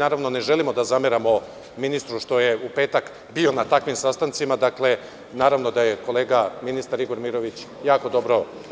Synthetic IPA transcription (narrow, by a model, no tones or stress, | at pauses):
naːɾaʋno̞ne̞ʒe̞limo̞d̪azameɾamo̞ | minist̪ɾuʃt̪o̞jeupe̞ːt̪ak | bio̞nat̪akʋimsast̪ant̪simad̪akle̞ | naːɾaʋno̞d̪aje̞ko̞le̞ːɡaminist̪aɾiɡo̞ɾmiɾo̞ʋit͡ɕ | jaːko̞d̪o̞bɾo̞